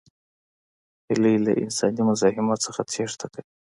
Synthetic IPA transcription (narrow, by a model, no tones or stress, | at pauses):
hilala̰ʔɪ̰nsɑnimʊzɑhɪmat̪səxat͡sʰeʂt̪ʰakəi